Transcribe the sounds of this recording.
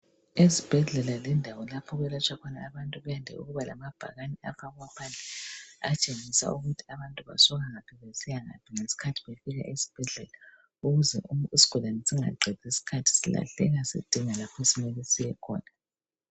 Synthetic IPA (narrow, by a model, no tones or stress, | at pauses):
esib̥ʱɛɮɛlalɛndʱawɔlapʰɔɣɛlat͡ʃʰwakʰɔnaːβantʼuβɛjandʱɛ̰ṵɣuβala̰mab̥ʱa̰ɣanɛa̰faɣwapʰand͡ɮʱɛa̰t͡ʃʼeŋisa̰uɣutʰiaβantʼuβa̰sɔɣaŋapʰɛβesijaŋa̰pʰiŋesi̥kʰatʰiβefiɣa̰ʔesi̥b̥ʱɛɮɛla | uɣuzɛ̰uisi̥ɡ̥ʱɔlanɛsiŋa̰ǃʱɛd̥ʱisi̥kʰatʰi̥sila̰ɬɛ̰ɣasḭd̥ʱiŋalapʰesimɛlesijɛkʰɔ̰ːna